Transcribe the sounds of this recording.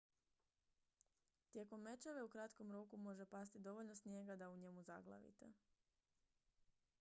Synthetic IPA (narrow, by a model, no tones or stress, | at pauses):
t̪je̞ko̞mːe̞t͡ʃeʋe̞ukɾat̪ko̞mɾokumo̞ʒe̞past̪id̪o̞ʋoʎno̞snje̞ɡad̪auɲe̞muza̰ɡlˠa̰ʋḭt̪ḛ